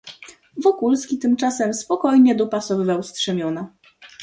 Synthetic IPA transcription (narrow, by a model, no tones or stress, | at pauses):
vɔkulskʲit̪ɘmt͡ʂasɛmspɔkɔjɲɛd̪ɔpasɔvɘvawstʂɛmʲjɔna